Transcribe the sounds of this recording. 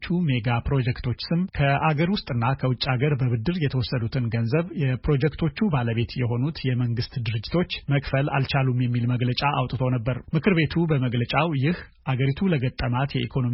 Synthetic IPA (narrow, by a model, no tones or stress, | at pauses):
t͡ʃːume̞ɡapɾo̞d͡ʒɛkt̪ʰo̞t͡ʃːsɨmkʰəʔaɡəɾwʊst̪ʼɨnːakʰəwʊt͡ʃʼːaɡəɾbəβɨd̪ːɨɾjɛt̪ʰəwɔsːəd̪ut̪ʰɨnɡənzəβjɛpɾo̞d͡ʒɛkt̪ʰo̞t͡ʃːubaləβe̞t̪jɛɦo̞nut̪jɛməŋɡɨst̪d̪ɨɾɨd͡ʒːɪt̪ʰo̞t͡ʃːməkʼfəla̰lt͡ʃalumjɛmːilməɡlət͡ʃʼaʔawt̪ʼɨt̪ʰo̞nəbːəɾmɨkʰɨɾβe̞t̪ʰubəməɡlət͡ʃʼawjɪh | ʔaɡəɾit̪ʰuləɡət̪ʼːəmat̪jɛʔikʰono